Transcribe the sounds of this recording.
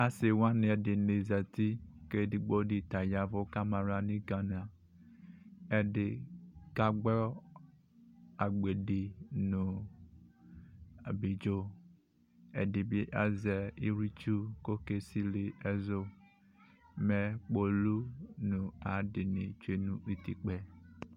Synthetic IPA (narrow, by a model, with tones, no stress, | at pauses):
a˨sɪ˨wa˦nɪ̃˨ɛ˨dɪ˨ne˨zɛ˨ti˦ke˦dɪ˨ɡ͡bo˦dɪ˨ta˨ja˦vʊ˦ka˦ma˨ɾa˨nĩ˦ɡã˨n˨a˨ | ɛ˨dɪ˨ka˦ɡ͡bɔ˦ | a˨ɡ͡be˨dɪ˨nũ˨ | a˨bi˨d͡ʒo˦ | ɛ̰˨dɪ˨bi˦ʔa˨zɛ˨i˦ɾi˦t͡ʃu˦ko˦ke˦si˦li˨ɛ˨zo˦ | mɛ˨k͡po˨lu˦nũ˨a˨dɪ˨nɪ̰̃˨t͡ʃe˦nũ˦i˨t̪i˨k͡pɛ˨